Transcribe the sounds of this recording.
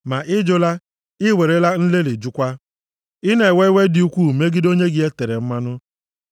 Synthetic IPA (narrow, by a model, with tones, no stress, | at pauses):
ma˨ʔɪ˦d͡ʒʊ˦la˦ | ɪ˦we˨ɾe˦la˦n̩˦le˦le˨d͡ʒu˦kʷa˦ | ɪ˦ne˨we˦we˦dɪ˦u˦kʷu˦˨me˦ɡɪ˦do˦ɲe˦ɡɪ˦e˦te˨ɾe˨m̩˦ma˦nʊ˦